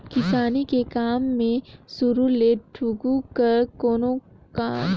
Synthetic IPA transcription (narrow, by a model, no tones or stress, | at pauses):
kɪsaːnikekaːmːẽsʊɾuleːʈʰuɡukɐɾkoːnõ | ka